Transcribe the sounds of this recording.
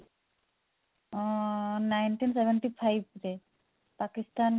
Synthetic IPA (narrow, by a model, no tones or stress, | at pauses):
najnʈinsebenʈipʰajbɾe | pakist̪an